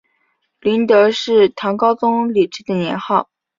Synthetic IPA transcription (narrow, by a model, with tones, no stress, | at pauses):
li˧˥nt̪ɤ˧˥ʂɻ̩˥˩t̪ʰɑ˧˥ŋkɑ˥ʊt͡sʊ˥ŋli˨˩ʈ͡ʂɻ̩˥d̪ə˨njɛ˧˥nxɑ˥˩ʊ